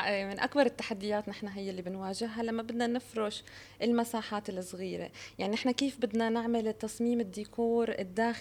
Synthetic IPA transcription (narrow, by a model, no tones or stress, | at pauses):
mɪnʔakbɑɾˤɪt̪ːaħad̪ːɪjaːt̪nɪħnaɦɪjːɪlːibɪnwaːʒɪɦːalamːabɪd̪nanɪfɾʊʃ | ʔɪlmasaːħaːt̪ɪlsˤɣiːɾḛjaʕninɪħnakeːfbɪd̪nanɪʕmalɪt̪ːɑsˤmiːmɪd̪ːiːkʰuːɾɪd̪ːaːx